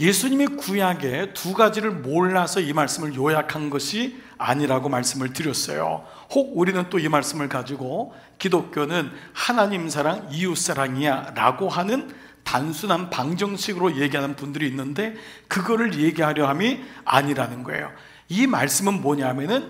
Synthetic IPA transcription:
je̞sʰuɲimikujaɡe̞tuɡad͡ʑiɾɯɭmoɭːasʰʌimaɭs͈ɯmɯɭjojakʰanɡʌɕʰi | a̰ɲiɾaɡomaɭs͈ɯmɯɭtɯɾjʌs͈ʌ̰jo̰ | hoɡ̚uɾinɯnt͈oimaɭs͈ɯmɯɭkad͡ʑiɡo | kidok͈jonɯnhanaɲimsʰaɾaŋijus͈ʰaɾaŋiaɾa̰ɡoɦanɯn | tansʰunɦanpaŋd͡ʑʌŋɕʰiɡɯɾoje̞ɡiɦanɯnpundɯɾiːnːɯnde̞kɯɡʌɾɯɭje̞ɡiɦaɾjʌɦamia̰ɲiɾanɯnɡʌḛjo̰ | imaɭs͈ɯmɯnmwʌɲamjʌnɯn

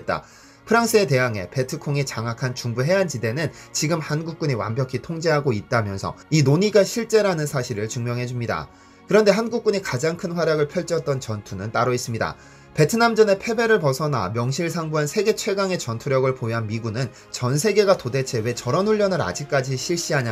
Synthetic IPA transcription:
et̚t͈a̰ | pʰɯɾaŋs͈ʰɯe̞t̬e̞ɦaŋe̞̰pe̞tʰɯkʰoŋit͡ɕaŋakʰant͡ɕuŋbuɦe̞ɦant͡ɕide̞nɯnt͡ɕiɡɯmhanɡuk̚k͈uɲiwa̰mbjʌkʰitʰoŋd͡ʑe̞ɦaɡoit̚t͈amjʌnsʰʌ̰inoɲiɡaɕʰiɭt͡ɕ͈e̞ɾanɯnsʰaɕʰiɾɯɭt͡ɕuŋmjʌŋɦe̞d͡ʑumɲida̰ | kɯɾʌnde̞ɦanɡuk̚k͈uɲikad͡ʑaŋkʰɯnɸwaɾjaɡɯɭpʰjʌɭt͡ɕ͈ʌt̚t͈ʌnt͡ɕʌntʰunɯnt͈aɾʌis͈ɯmɲida̰ | pe̞tʰɯnamd͡ʑʌne̞pʰe̞be̞ɾɯɭpʌsʰʌna̰mjʌŋɕʰiɭsʰaŋbuɦansʰe̞ɡe̞t͡ɕʰwe̞ɡaŋe̞t͡ɕʌntʰuɾjʌɡɯɭpojɦanmiɡunɯn | t͡ɕʌnsʰe̞ɡe̞ɡatode̞t͡ɕʰe̞we̞t͡ɕʌɾʌnuɭːjʌnɯɾa̰d͡ʑik̚k͈ad͡ʑiɕʰiɭɕ͈iɦaɲa

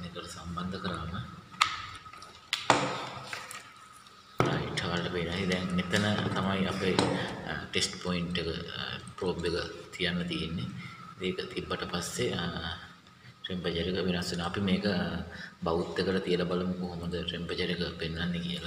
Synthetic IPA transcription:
nek̪oləsamband̪əkəɾaːmə | iʈʰːaʋalʈəpenasid̪ɛŋmet̪ənət̪amajape | ʈesʈpoiɳʈekə̰pɾoːbʋekət̪ʰijanːɐt̪ijenːeeːkət̪ibːaʈəpasːe | ɾempəd͡ʒəɾekəʋenasʋenoapimeːkəbaʋut̪ːekəlɐt̪ijəlabaləmukoɦoməd̪əɾempət͡ʃəɾekəpenːanːekijəla

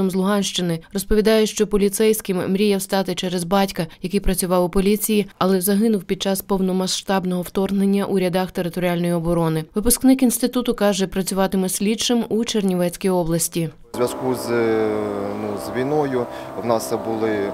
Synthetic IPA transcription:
ɔmzlˠʊɦɑnʃt͡ʃɪnɪrɔspɔʋʲid̪ɑjɛʃt͡ʃɔpɔlʲit̪sɛjsʲkɪmːɾʲijɛwst̪ɑt̪ɪt͡ʃɛɾɛzbɑtʲkɐjɐkɪjpɾɐt͡sʲʊʋɑwʊpɔlʲit͡sʲijiɐlˠɛzɐɦɪnʊwpʲid̪̚t͡ʃɑspɔwnɔmɐʃʃt̪ɑbnɔɦɔwt̪ɔrnenʲːɐʔuɾʲɐd̪ɑxt̪eɾɪt̪ɔɾʲialʲnɔjiɔbɔɾɔnɪʋɪpʊsknɪkinst̪ɪt̪ut̪ʊkɑʒɛpɾɐt͡sʲʊʋɑt̪ɪmɛsʲlʲid̪t͡ʃɪmut͡ʃernʲiʋɛt͡sʲkʲijɔblˠɐsʲtʲi | zʲʋʲɐskuz | nuzʋʲinɔjʊwnɑsɛbʊlˠɪ

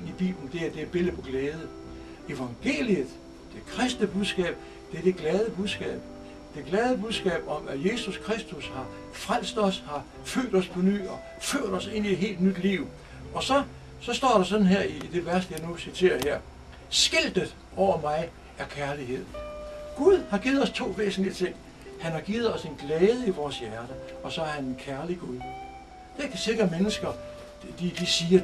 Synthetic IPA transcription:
nib̥ḭːb̥lən̩d̥e̝æɐd̥e̝b̥e̝lðpʰɒ̽ɡ̥leːð̞ˠə | e̝ʋɑ̈ŋɡ̥e̝̰ːliəð̩ˠ | d̥e̝kʰʁɛsd̥nəb̥uðˠsɡ̥ɛ̰ːb̥ | d̥e̝ɐd̥e̝ɡ̥lɛːð̞ˠəb̥uð̞ˠsɡ̥ɛ̰ːb̥̚ | d̥e̝ɡ̥lɛːð̞ˠəb̥uð̞ˠsɡ̥ɛ̰ːb̥ɒ̽mæje̝suskʰʁesd̥ushɑ̈ | fʁal̰sd̥ɒ̽shɑ̈ | fø̰ːd̥ɒ̽spʰɒ̽ny̰ːɒ̽ | føɐ̰ɾ̥ɒ̽se̝n̰ied̥ɦe̝̰ːld̥nyd̥liʊ | ʔɒ̽sɒ̽ | sɒ̽sd̥ɒ̰ːɾ̥ɑ̈sɒ̽d̥n̩ɦeɐ̰id̥e̝ʋæɐsd̥əjɑnusit͡sʰe̝̰ːɐheɐ̰ | sɡ̥el̰d̥ð̩ˠ | ɒʊ̰ɐmɑ̈ɪ | æɐkʰæɐliɦe̝ð̰ˠɡ̥uð̞ˠhɑ̈ɡ̥iːð̩ˠɒ̽st͡sʰo̝̰ːʋḛːsn̩lit͡sʰe̝ŋ̰ | hænhɑ̈ɡ̥iːð̩ˠɒ̽se̝nɡ̥lɛːðˠəiʋɒːsjæɐɾ̥ə | ɒ̽sɒ̽æɐhænenkʰæɐliɡ̥uðˠ | d̥ekʰæse̝ɡ̥ʁɐmenəsɡ̥ɐ | d̥id̥isiːɐ

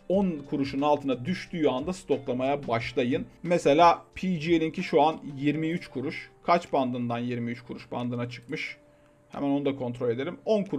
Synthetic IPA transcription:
onkʰuɾuʃunalˠt̪ʰɯnad̪yʃt̪yjand̪ast̪ʰo̞klˠamajabaʃlˠajɯnmese̞lʲaːpʰid͡ʒielʲiɲcʰiʃuanjiɾmiyt͡ʃkʰuɾuʃkʰat͡ʃband̪ɯnd̪anjiɾmiyt͡ʃkʰuɾuʃband̪ɯnat͡ʃʰɯ̥kmɯʃ | hḛmæno̞nud̪akʰo̞nt̪ɾo̞lʲe̞d̪e̞lʲimo̞nkʰuɾ

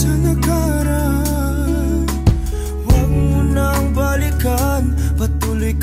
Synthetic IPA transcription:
sanakaɾa | waɡ̚munaŋbalikanpɐt̪ulʊjk

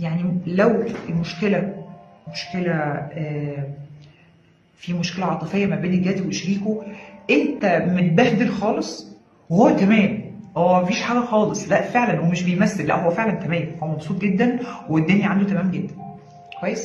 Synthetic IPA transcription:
jaʕnilæwfimoʃkelæmoʃkelæʔæː | fiːmoʃkelæʕɑt̪ˤɨfejːæmæbeːneɡæːd̪iweʃɾiːkoʔent̪æmelbæhd̪elxɑːlesˤ | howːæt̪æmæːmʔæːmæfiːʃħaːɡæxɑːlesˤlæʔfeʕlænhwowæmeʃbejmæsːelːæ̰ʔhowːæfeʕlænt̪æmæːmhowæmɑbsˤuːt̪̚ˤɡed̪ːænwed̪ːonjæʕand̪ot̪æmæːmɡed̪ːæn | kwæjːes

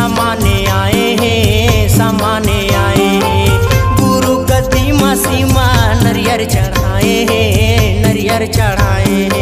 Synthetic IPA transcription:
amaːneaːeɦẽsaːmaːneaːeɦẽɡuɾuɡɐd̪imaːsimanɐɾɪjəɾt͡ʃɐɽ̤aːeɦẽɦnɐɾɪjəɾt͡ʃɐɽaːeɦ

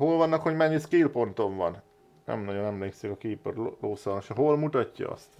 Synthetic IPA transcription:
ɦo̞lvɒnːɒkho̞ɟmɛɲːiskiːlpo̞nt̪o̞ɱvɒ̰n | nʔɛ̰mnɒɟo̞nɛmleːksikɒkiːpørloːsɒnoʃɒɦo̞lmut̪ɒcːɒ̰ɒ̰st̪

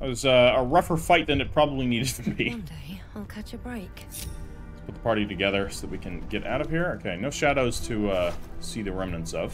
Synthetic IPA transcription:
wʌzʌəɹʌfə˞faɪt̪̚ðɨ̃nɨt̚pʰɹ̥ɑbəbliniɾɨd̚tʰɨbideɪalˠkʰʌt͡ʃɨbɹeɪkʰ | pʊt̪̚ðəpʰɑɹɾiɾɨɡɛðə˞soʊðət̚wikʰɨ̃nɡɛɾʔa̰ʊɾʌv̥hiɹoʊkʰeɪnoʊʃæɾoʊz̥tʰɨʌsiðɨɹɛ̃mnɨ̃ntsʌv̥

